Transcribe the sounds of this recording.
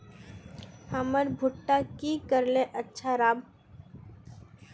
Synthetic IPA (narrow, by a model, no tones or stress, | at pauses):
həməɾbʱʊʈːakikəɾleʔətːʃʰaɾaːb